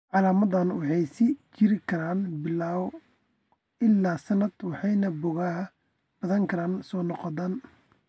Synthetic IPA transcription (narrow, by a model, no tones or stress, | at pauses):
ʕɑlaːmɐðɐnwɑħɑjsɪt͡ʃɪɾɪkʰɐɾaːnbɪlaːw | ɪlːaːsɐnːɐd̪wɑħɑjnɐbʊɣaɦɐ | b̥ɐðɐŋkʰɐɾaːnsɔːnɔqɔðan